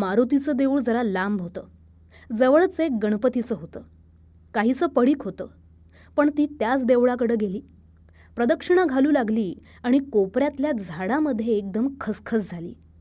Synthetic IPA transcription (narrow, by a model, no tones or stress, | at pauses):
maɾot̪it͡səːd̪euːɭd͡zəɾalambɦot̪ə̰ː | d͡zəʋəɭt͡sek̚ɡəɳ̃pət̪it͡səːɦot̪ə̰ː | kaɦiːt͡səːpəɽiːkɦot̪ə̰ː | pəɳt̪iːt̪jat͡sd̪eʋɭakəɽəːɡeliː | pɾəd̪əkʂəɳ̃aɡʱaluːlaɡliː | aɽ̃ikopɾjat̪ljad͡zʱaɽaməd̪ʱːjeːk̚d̪əmkʰəskʰəsd͡zʱalḭː